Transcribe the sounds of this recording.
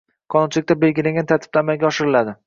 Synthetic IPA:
qʰɒnʊnt͡ʃʰɪlɪk̚ʲt̪abelɡʲɪlaŋʲɡʲant̪ʰaɾt̪ʰɪb̥lamaɡʲaɒʃɪɾɪlad̪ɪ

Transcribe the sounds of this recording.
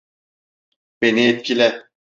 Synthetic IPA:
b̥eniet̪̚kʰʲilʲɛ

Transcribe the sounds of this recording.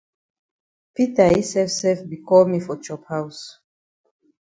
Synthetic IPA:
pitaisɛfsɛfbikɔlmifɔt͡ʃɔphaws

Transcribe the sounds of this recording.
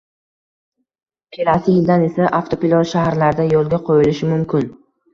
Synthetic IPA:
kʲʰe̞lasɪjɪld̪ane̞saʔaft̪ʰopilˠɒzʃahaɾlaɾɪd̪ajolˠɡʲaqʰojɪlɪʃɪmʊmkʲʰɪn

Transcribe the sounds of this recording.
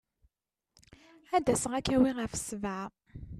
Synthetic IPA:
æd̪æsəʁækːæwiʁəfə̥svæʕ

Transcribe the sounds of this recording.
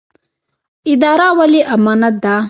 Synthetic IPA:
id̪aːɾawɐliʔɐmɐnɐd̪a

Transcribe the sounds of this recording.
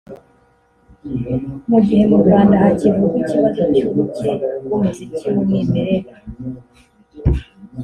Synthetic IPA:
muɟihe̞muɾɡwaːndaːcivukiciβazo̞cuβut͡sekumuzitiwumŋimeɾeɾa

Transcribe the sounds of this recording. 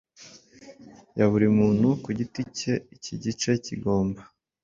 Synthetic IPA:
jaβuɾimuːn̥hukuɟitice̞iciɟit͡ʃe̞cḭɡo̞ːmba

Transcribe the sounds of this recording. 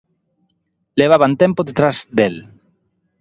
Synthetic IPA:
leβaβant̪ẽmpoðet̪ɾazd̪el

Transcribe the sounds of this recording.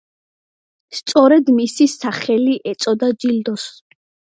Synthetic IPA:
st̪sʼɔɾɛd̪misisaχɛliʔɛt̪sʼɔd̪ad͡ʒild̪ɔs

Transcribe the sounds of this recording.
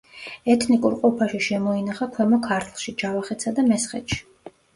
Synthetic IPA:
ɛt̪ʰnikʼuɾqʼɔpʰaʃiʃɛmɔinaχakʰwɛmɔkʰaɾt̪ʰlˠʃid͡ʒavaχɛt̪sʰad̪amɛsχɛ̰t̪ʃi̥

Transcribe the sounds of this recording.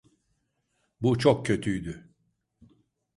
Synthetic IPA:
but͡ʃʰok̚cʰø̞t̪ʰyjd̪y

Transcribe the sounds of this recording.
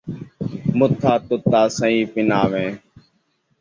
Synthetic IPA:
mʊt̪ʰːaːt̪ʊt̪ːaːsəĩːpɪnaːʋẽː

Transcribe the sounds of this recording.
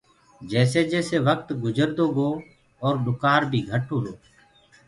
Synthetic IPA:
d͡ʒɛːseːd͡ʒɛːseːʋək̚t̪ɡʊd͡ʒəɾd̪oːɡoː | ɔːɾɗʊkaːɾbʱiːɡʱəʈʰoːɾoː

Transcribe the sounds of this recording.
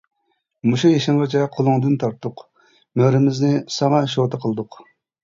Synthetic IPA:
muʃujeʃɪŋʁɑt͡ʃʰɛqʰolˠʊŋd̪ɨnt̪ʰɑɾt̪ʰːʊq | møɾɪmɪznɪsɑŋɑʃot̪ʰəqʰəlˠɨd̪ʊq

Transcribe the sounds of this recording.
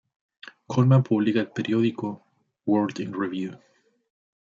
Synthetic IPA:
kʰolmapʰuβlikaelpeɾjoðiko | woɾd̪ĩnɹiβju

